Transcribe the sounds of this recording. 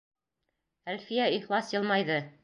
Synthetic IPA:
ælfijæiχlˠɑsjɤ̆lˠmɑjðɤ

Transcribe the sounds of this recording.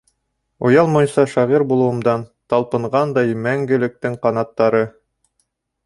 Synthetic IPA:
ujɑlˠmojsɑʃɑʁiɾbulˠɤ̆wɤ̆md̪ɑnt̪ɑlˠpɤ̆ɴʁɑnd̪ɑjmæŋɡɘ̆lɘ̆k̚t̪ɘŋqɑnɑt̪ːɑɾɤ

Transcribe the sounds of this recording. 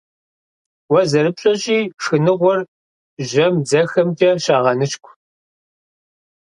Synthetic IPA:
wɐzɐɾɨpɕʼɐɕʼiːʂɨnɨʁʷɔr | ʒɐmd͡zɐxɐmd͡ʒʼɐɕaːʁɐnɨʃkʷʰʼ

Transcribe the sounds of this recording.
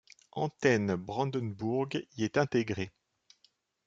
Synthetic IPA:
ɑ̃t̪ɛnbʁɑ̃d̪ənbuʁɡiɛt̪ɛ̃t̪eɡʁe

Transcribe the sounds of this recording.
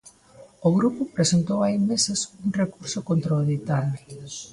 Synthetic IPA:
oɣɾupʊpɾesent̪owajmesesuŋrekuɾsoʊkont̪ɾaoðit̪ano

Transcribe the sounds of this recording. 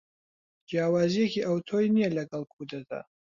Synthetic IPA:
d͡ʒjaːwaːziekʰiʔawt̪ʰojnijɛlɐɡɐlkʰud̪ɐd̪a̰

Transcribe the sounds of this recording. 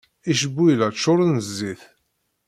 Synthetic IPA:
iʃəbːujlæt͡ʃːʊɾˤnəzːiθ

